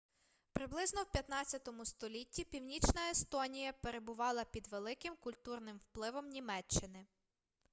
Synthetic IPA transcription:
pɾɪblˠɪznɔwpʲjɐt̪nɑtt͡sʲɐt̪ɔmʊst̪ɔlʲitʲːipʲiwnʲit͡ʃnɐest̪ɔnʲijɐpe̞ɾe̞bʊʋɑlˠɐpʲid̪ʋe̞lˠɪkɪmkʊlʲt̪urnɪmwplˠɪʋɔmnʲimɛt͡ʃːɪnɪ

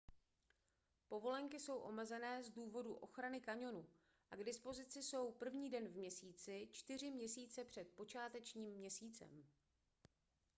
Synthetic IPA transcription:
po̞vo̞lɛŋkɪso̞wʔo̞̰mɛzɛnɛːzduːvo̞duʔo̞xɾanɪkaɲo̞nu | ʔaɡdɪspo̞zɪt͡sɪso̞wpr̩vɲiːdɛnvmɲɛsiːt͡sɪt͡ʃt̪ɪr̝ɪmɲɛsiːt͡sɛpr̝̥ɛt̪̚po̞t͡ʃaːt̪ɛt͡ʃɲiːmːɲɛsiːt͡sɛ̰m

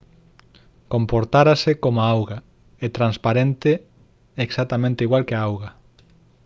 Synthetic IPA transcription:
kompoɾt̪aɾasekomaawɣa | et̪ɾanspaɾent̪e | eksat̪amẽnt̪eiɣwalkeaawɣa

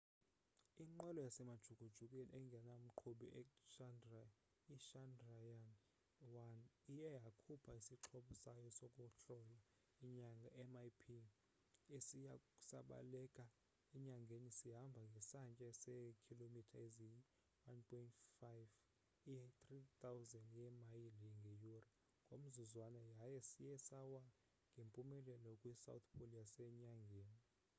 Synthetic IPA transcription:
iŋ͡ǃwɛlɔjasɛmad̥ʒ̥ʱuɡ̥ʱud̥ʒ̥ʱukʼɛnɛŋɡʱɛnam̩ǃʰoɓiʔɛʃandra | iʃandrajan | wanijɛjakʰupʰaisiǁʰoɓusajɔsɔkʼuɬɔjɔ | iɲaŋɡʱaʔɛmajpʰi | esijau̥sa̰ɓa̰lɛkʼa | iɲaŋɡʱenisiɦambʱaŋɡʱɛsant͡ʃʼɛsɛkʰilomitʰaezi | wanpʰʼɔintfajv | iɛt̪rit̪ʰʼawzɛndjɛmajiliŋɡʱejuri | ŋɡʱom̩zuzwanajajɛsijɛsawa | ŋɡʱempʼumɛlɛlɔkʼwisa̰wt̪ʰpʰolijasɛɲaŋɡʱeːni

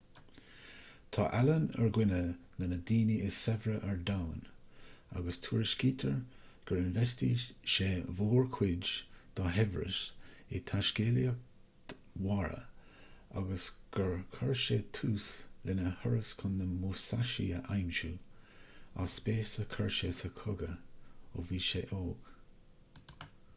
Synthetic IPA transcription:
t̪ʰɑ̰ːʔalənə̰ɹɡwɪnənənəd̪iːniɪsɛvɾəʔɛɹdawn | a̰ɡəst̪ʰuːɹɪʃkiːt̪ʰəɹ | ɡ̥əɹɪnvɛstiʃeːvoːɹkʰwɪd͡ʒd̪̥ɔɦɛvɹə̰ʃɪt̪ʰaʃkeːliə | waɹə̰ | a̰ɡəsɡ̥əɹkʰəɹʃet̪ʰuːslɪnəhəɹəskʰʊnːəmusaʃḭəʔajmʃu | a̰speːsəkʰəɹʃeːsəkʰʊɡəoviːʃeːʔoːɡ̥

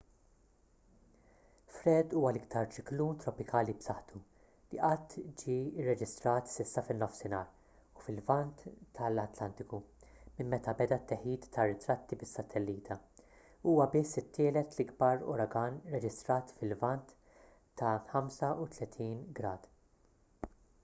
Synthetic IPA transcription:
fɾɛd̪uːwɐlɪkt̪ʰɐɾt͡ʃɪkluːnt̪ɾɔpɪkʰɐːlibsɐħt̪u | liʔɐt̪ːd͡ʒiːɪrːɛd͡ʒɪst̪ɾɐːt̪sɪsːɐfɪnːɔfsɪnɐːɾ | ufɪlvɐnt̪ːɐlɐt̪lɐnt̪ɪkumɪmːɛt̪ɐbɛd̪ɐt̪ːɛħiːt̪ːɐrːɪt̪ɾɐt̪ːibɪsːɐt̪ʰɛlːiːt̪ʰɐ | uːwɐbɪsːɪt̪ʰːɪːlɛt̪lɪɡbɐɾɔ̰ɾɐɡɐnɾɛd͡ʒɪst̪ɾɐːt̪fɪlvɐnt̪ː | ɐħɐmsɐut̪lɛt̪ʰiːnɡɾɐːd̪̥

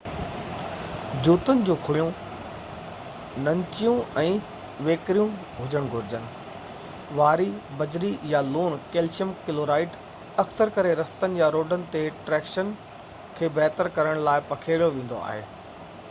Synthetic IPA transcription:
d͡ʑuːt̪ənɪ̆d͡ʑũːkʰʊɽijũ | nɐ̃ɲt͡ɕijũɛ̃ː | ʋeːkɾijũ | ɦʊd͡ʑəɽ̃ɡʱʊɾɪd͡ʑənɪ̆ | ʋaːɾibɐd͡ʑɾijaluːnkeːlt͡ɕjəmkɪloːɾaːɪʈ | ɐksəɾkɐɾeɾɐst̪ənɪ̆jaɾoːɖənɪ̆t̪eʈɾɛːkʃən | kʰeːbɛːt̪əɾkɐɾəɽ̃laːɪpɐkʰeːɽijoʋẽːn̆d̪o̰a̰ːɦḛː

